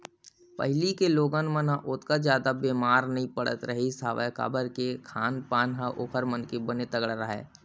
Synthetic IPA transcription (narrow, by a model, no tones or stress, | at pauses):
pə̰ɦɪlikeloːɡənmənɦãʔʊt̪kad͡ʒjaːd̪abeːmaːɾnɐɦĩpəɽə̰t̪ɾɐɦisaːʋə̰ka̰ːbəɾkekʰaːnpaːnɦãʔoːkʰəɾmənkebənet̪əɡɽaɾəɦɛ̰ː